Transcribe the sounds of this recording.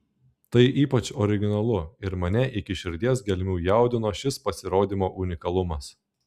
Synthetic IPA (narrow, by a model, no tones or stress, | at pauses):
t̪ɐɪʔiːpɐt͡ʃɔɾʲɪɡʲɪnɐlˠʊɪɾmɐnʲɛʔɪkʲɪʃʲɪɾʲd̪ʲiɛsɡʲɛlʲmʲuːjæˑʊd̪ʲɪnoːʃʲɪspɐsʲɪɾoːd̪ʲimoːʔʊnʲɪkɐlˠʊmɐs